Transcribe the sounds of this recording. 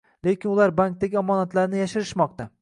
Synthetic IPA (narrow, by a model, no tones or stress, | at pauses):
le̞kʲɪnʊlaɾbaŋk̚t̪aɡʲɪɒmɒnat̪laɾnɪjaʃɪɾɪʃmɒq̚t̪a